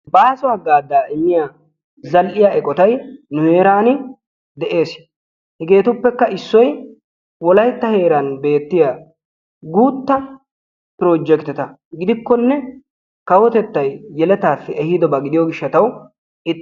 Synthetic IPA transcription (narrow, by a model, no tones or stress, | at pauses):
baːsɔaɡaːd̪ːaːʔɪmːɪja | zɐlʔɪjaɛkʼɔt̪ɐjnʊheːɾaːnɪ | d̪ɛʔe̞ːs | hɛɡe̞ːt̪ʊpːɛkːɐɪsːɔj | wɔlɐjt̪ːɐhe̞ːɾɐnbe̞ːt̪ːɪja | ɡuːt̪ːɐ | pɾoːd͡ʒɛkt̪ɪt̪ɐ | ɡɪd̪ɪkːɔnːɛ | kɐwɔt̪ɛt̪ːɐjːɛlɛt̪aːfːɪɛhɪd̪ɔbɐɡɪd̪ɪjɔɡɪʃːɐt̪ɐw | ɪ